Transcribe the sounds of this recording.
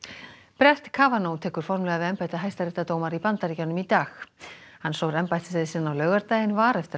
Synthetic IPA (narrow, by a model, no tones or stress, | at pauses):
pɾɛr̥t̪kʰaːvanownt̪ʰɛːkʏɾ̥fɔɾmlɛɣavɪɛmpajt̪aɦaːjst̪aɾɪht̪at̪oːwmaɾipant̪aɾcawnʏmit̪aːxhanːsowɾɛmpajt̪ɪ̥sɛðɪsɪnːawlœɥɣaɾt̪aːjɪnvaːɾɛft̪ɪ